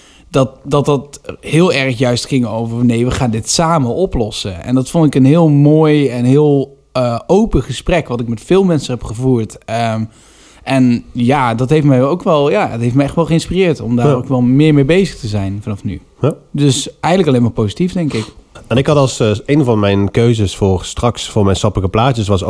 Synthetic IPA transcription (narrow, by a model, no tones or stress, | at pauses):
dɑt̚dɑtdthɪːlˠɛrχjœɥstχɪŋowvəɹvnejʋəχaːndɪtsaːməʔɔplɔsəʔɛ̰ndɑtfɔndɪkənɦɪːlˠmoːjɛnɦɪːlˠ | əowpəχəsprɛkʋɑtɪkmɛtfɪːlˠmɛnsəɦɛpχəvuːɹtə | ʔɛnjaːdɑtɦejftmɛjowkʋɛlˠjaːətɦejftmɛjɛxtʋɛlˠχəɪnspirɪːɹtɔ̰mdaːrokʋɛlˠmɪːɹmejbejzəχtəzɛjnvɑnɑfny | dɵsɛjɣənləkɑlejnmaːɹpozitifdɛŋkɪkɛnɪkhɑtɑlˠsejnvɑnmɛjnkøɥzəsfʊːɹstrɑksfʊːɹmɛjnsɑpələkəplaːt͡ʃəsʋɑs